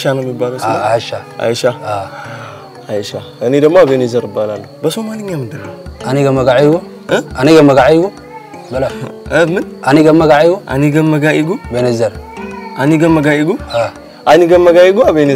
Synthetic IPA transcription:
ʃanamibalosaiʃaa̰iʃaa | ajiʃa | ɨnid̪ɐmːaabenezɐɾɨbalanːobɐsomalɨɲːamɨd̪ɨɾaaniɡɐmɐɡaʕaɡu | aniɡɐmɐɡaʕaɡu | bɐlaəmɨnʔaniɡɐmːɐɡajɡuʔa̰niɡɐmːɐɡaiɡubenezɐɾaniɡɐmːɐɡaiɡua | aniɡɐmːɐɡaiɡuabene

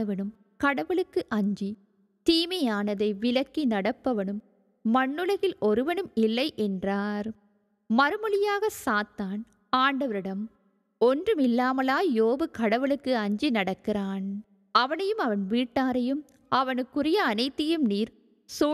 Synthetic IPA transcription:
ɐʋɐnɯm | kɐɽɐʋɯɭɯkːɯʔɐɲd͡ʒi | t̪iːmɐjaːnɐðɐɪʋɪlɐkːinɐɽɐpːɐʋɐnɯmː | ɐɳːɯlɐɣɪlʔɔɾɯʋɐnɯmɪlːɐɪʔɛndraːɾ | mɐɾɯmɐɭɪjaːɣɐsaːt̪ːaːn | aːɳɖɐʋɐɾɯɽɐm | ɔndrɯmɪlːaːmɐlaːjoːʋɯkɐɽɐʋɯɭɯkːɯɐɲd͡ʒinɐɽɐkːɪraːn | ɐʋɐnɐjɯmɐʋɐnʋiːʈːaːɾɐjɯm | ɐʋɐnɯkːʊɾɪjɐːnɐɪt̪ːɐjɯmniːɾ | so

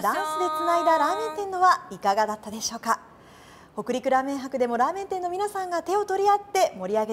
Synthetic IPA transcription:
d̪ãɰ̃sɨd̪e̞t͡sɨnaid̪aɾaːmẽ̞nt̪ẽ̞nːo̞βaikaɡad̪at̪ːad̪e̞ɕo̞ːka | ho̞kɯ̟ɾʲikɯ̟ɾaːmẽ̞ɰ̃ɦakɯ̟d̪e̞mo̞ɾaːmẽ̞nt̪e̞nːo̞mʲinasãŋɡat̪e̞o̞t̪o̞ɾʲiat̪ːe̞mo̞ɾʲiaɡe

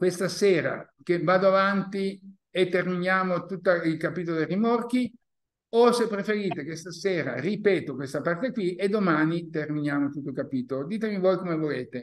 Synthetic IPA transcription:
kwest̪aseːɾa̰ | k̟evaːd̪oavant̪i | et̪ːerminjaːmot̪ut̪ːailkapiːt̪̬olod̪erimork̟i | osepːɾefeɾiːt̪ekwest̪aseːɾa̰ripɛːt̪okwest̪apart̪ekwied̪ːomaːnit̪erminjaːmot̪ut̪ːolkapiːt̪olod̪iːt̪̬emivoːjkomevoleːt̪e

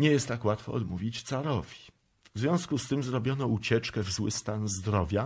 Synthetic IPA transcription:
ɲɛjɛst̪ːakwat̪fɔ̰ɔ̰d̪muvʲit͡ɕt̪saɾɔvʲi | vzvʲjɔ̃w̃skust̪ɘmzɾɔbʲjɔnɔut͡ɕɛt͡ʂkɛvzwɘst̪anzd̪ɾɔvʲja

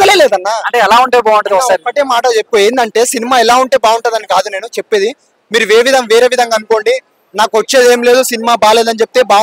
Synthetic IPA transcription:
ɐleːleːd̪ɐnːaɐɳʈeːɛlaːuɳʈebaːɐɳʈɐd̪iapːɐʈeːmaːʈɐt͡ʃep̚ːkueːnd̪ɐɳʈe̞ːsinimaːɛlaːuɳʈe̞ːbaːuɳʈad̪ɐnikaːd̪une̞ːnut͡ʃepːe̞ːd̪i | miːɾuʋeːʋid̪ʱɐmʋeːɾeːʋid̪ʱɐŋɡaːnuko̞ːɳɖi | naːkuʋɐt͡ʃːe̞ːd̪e̞ːmile̞ːd̪usinimaːbaːle̞ːd̪ɐnt͡ʃep̚t̪e̞ːbaː

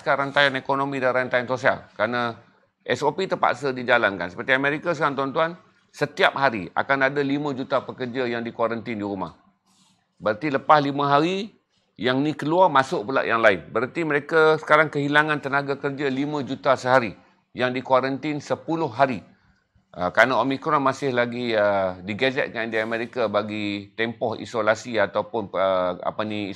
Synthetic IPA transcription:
skanɾant̪ajanekonomĩdanrant̪ajansosia̰lkəɾana | ʔɛsopit̪əpa̰ʔsədid͡ʒalanka̰nsə̥pərt̪iamẽɾikasəkaɾaŋt̪̬uant̪uan | sət̪iap̚ɦaɾia̰kanadalimãd͡ʒut̪apəkərd͡ʒajaŋdikwaɾant̪ɪndiɾuma̰h | bəɾart̪iləpahlimãɦaɾi | jaŋnikəluarmasʊʔpəla̰ʔjaŋlaɪnbəɾart̪iməɾekasə̥kaɾaŋkəɦilaŋãnt̪ənaɡakərd͡ʒalimãd͡ʒut̪asəɦaɾi | jaŋdikwaɾənt̪ɪnsəpulʊhːaɾi | əkɾanaomikɾɔnmasɪhlaɡiədiɡazɛ̰t̪̚kandiaamẽɾikabaɡit̪ɛmpɔhḭsolasiat̪awpʊnəa̰pani

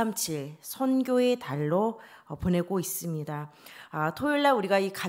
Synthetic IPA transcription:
amt͡ɕʰiɭsʰʌnɡʲjoe̞taɭːopone̞ɡois͈ɯmɲidaatʰoiɭːauɾiɡaika

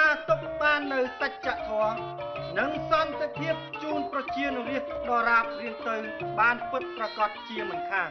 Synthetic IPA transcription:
aːt̪uk̚ɓaːnːɨwsəc̚t͡ɕaʔt̪ʰɔə | nɨŋsɑnt̪epʰiəp̚t͡ɕuːnprɑt͡ɕiənɾiəhɗɑːɾaːp̚riəŋt̪ɨwɓaːnpɨt̪̚prakɑt̪̚t͡ɕiəmɨnkʰaːn

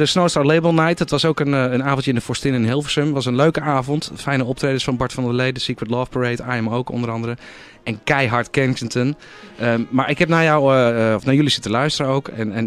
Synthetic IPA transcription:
dəsnowstaɹlebəlˠnajtdɔtʋɑsowkənənaːvɔntjəɪndəfɔɹstɪnɪnɦɪlˠfəsəmʋɑsənløɥkəaːvɔntfɛjnəɔp̚treːdəsfɑnbɔɹtfɑndəlejdəsikwətlɔːfpəɹejtajɛmowkɔ̰ndəɾɑndəɾə | ɛnkɛjɦaɹtkɛnt͡ʃəntən | əmaɹɪkɦɛp̚najawɔfnajølisɪtəlœɥstəɾəowkɛnɛ

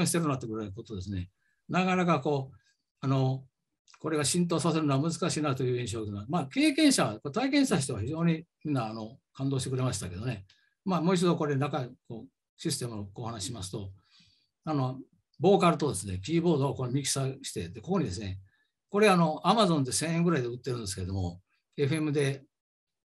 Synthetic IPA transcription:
õɕi̥t̪e̞ɾɯnoat̪eɡɯ̟ɾaiko̞t̪od̪e̞s̬ɨne̞̰ | nakanakako̞ː | ano̞ | ko̞ɾe̞ɡaɕĩnt̪̬o̞ːsase̞ɾɯ̟noamɯ̟zɨkaɕi̥kːɯnaɾɯ̟t̪ojɯ̟ːĩɕ̬o̞ːɡnomaːke̞ːkẽ̞ɰ̃ɕaβakot̪aik̬ẽɕit̪aɕ̬i̥t̪o̞açiʑo̞ːɲ̟imʲĩnːaːno̞kãnd̪oːɕit̪ekɯɾe̞maɕi̥t̪ake̞d̪one̞ | maːmo̞ːit͡ɕid̪o̞ko̞ɾe̞nakaiko̞ː | ɕisɨ̥t̪e̞mɯokoːhanaɕiɕimasɨ̥t̪o̞ | ano̞ | bo̞ːkaɾɯ̟t̪o̞d̪e̞sɨne̞kʲiːbo̞ːd̪o̞ako̞mʲikʲi̥saɕi̥t̪e̞d̪eko̞ko̞ɲ̟id̪e̞sɨne̞ | ko̞ɾe̞ano̞amazõ̞nd̪e̞sẽɰ̃eŋɡɯɾaid̪e̞ɯ̟t̪ːeɾɯ̟nd̪esɨ̥keɾe̞d̪o̞mo̞̰ | e̞ɸɯe̞mɯ̟d̪e̞

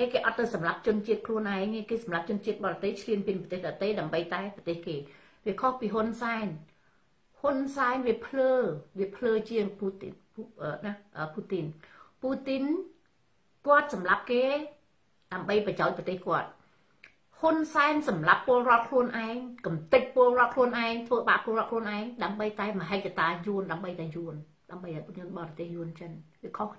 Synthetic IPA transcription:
eːkeːʔɑt̪ːɨwsɑmlap̚t͡ɕʊ̆nt͡ɕiət̪̚kʰluənʔaɛŋeːkeːsɑmlap̚t͡ɕʊ̆nt͡ɕiət̪̚ɓɑːɾɑt̪əjt͡ɕʰliənpiənpɑt̪eːhɗat̪ejɗaəmɓəjt̪aɛpɑt̪eːhkeː | ʋiəkʰohpiːɦunsaɛn | hunsaɛnʋiəpʰləːʋiəpʰləːt͡ɕiəŋput̪ | əːnaʔəːpuːt̪inpuːt̪in | kŏət̪̚sɑmlap̚keː | ɗaəmɓəjprɑjaɔc̚prɑt̪eːhkŏət̪̚ | hunsaɛnsɑmlapːʊ̆əlrŏət̪̚kʰluənʔaɛŋkɑmt̪ɨc̚pʊəlrŏət̪̚kʰluənʔaɛŋt̪ʰʋəːɓa̰ʔpoəlroət̪̚kʰluənʔaɛŋɗaəmɓəjt̪aɛməɦɛːt̪̚kat̪aːjuənɗaəmɓəjt̪aɛjuən | ɗaəmɓəjʔaɔɲɨənɓɑrɑt̪eːhjuənt͡ɕənʋiəkʰohkʰ

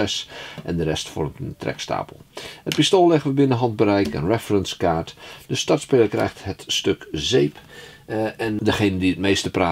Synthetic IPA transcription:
ɛsʔɛ̰ndərɛ̰stfɔ̰rmtəntrɛ̰ksta̰ːpəlˠhət̚pistoːlˠlɛɣənʋəbɪnəɦɑnd̚bəɾɛjkə̰nrɛfərənskaːɹtdəstɑɹtspeːləɹkrɛ̰jxtɦətstøkzejp | ɛndəχejnəndiət̚mejstəpraː

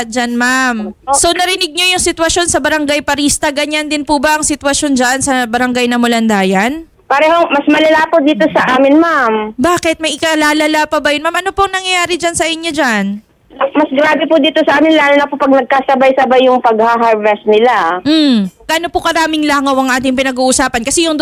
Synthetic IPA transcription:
d͡ʒanmamso̞nɐɾɪnɪɡ̚ɲojʊŋsɪt̪wɐʃo̞nsɐbɐɾɐŋɡajpɐɾist̪ɐɡɐɲand̪ɪnpʊbɐʔɐŋsɪt̪wɐʃo̞nd͡ʒaʔnsɐbɐɾɐŋɡajnɐmʊlɐnd̪aːjɐn | pɐɾɛːhomɐsmɐlɐlapod̪iːt̪osɐʔaːmɪnmambaːkɛt̪̚mɐjʔɪkalaːlɐlapɐbɐjʊnmamʔɐnopoɐŋnɐŋjɐjaːɾɪd͡ʒansɐʔɪɲːod͡ʒan | mɐsɡɾaːbɛpʊd̪iːt̪osɐʔaːmɪnlaːlonɐpopɐɡ̚nɐɡ̚kaːsɐbajsɐbajːʊŋpɐɡhaɦaɹvɛst̪̚nɪla | ɡ̥aːnopʊkɐɾaːmɪŋlaːŋɐwɐŋʔaːt̪ɪŋpɪnɐɡuːʔʊsaːpɐnkɐsɛjʊŋ

